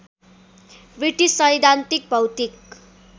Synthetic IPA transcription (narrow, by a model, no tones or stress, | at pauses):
biʈisʌjd̪ʱant̪ik̚bʱʌwt̪ik